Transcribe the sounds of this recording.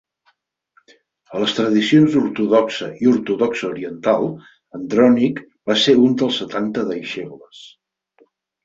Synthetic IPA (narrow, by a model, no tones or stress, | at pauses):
ələst̪ɾəðisionzuɾt̪uðɔksəiuɾt̪uðɔksəuɾiənt̪alˠ | ənd̪ɾɔnik | baseund̪əlˠsət̪ant̪əðəjʃeβləs